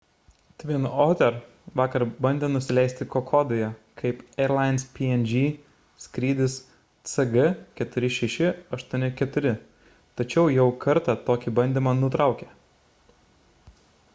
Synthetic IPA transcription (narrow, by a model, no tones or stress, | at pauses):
t̪ʲʋʲɪnoːt̪ʲɛɾ | ʋɑːkɐɾbɐnʲd̪ʲenʊsʲɪlʲɛˑɪsʲt̪ʲɪkokʰoːd̪ojɛkʰɐɪpɛːɾlˠɑɪnspʲiːɛnʲd͡ʒʲiː | sʲkɾʲiːd̪ʲɪs | t̪sɨɡɐkʲɛt̪ʊɾʲɪʃʲɛʃʲɪɐʃt̪uɔnʲɪkʲɛt̪ʊɾʲɪ | t̪ɐt͡ʃʲɛʊjɛʊkʰɐɾt̪ɑt̪oːkʲibɐnʲd̪ʲiːmɑnʊt̪ɾɑˑʊkʲe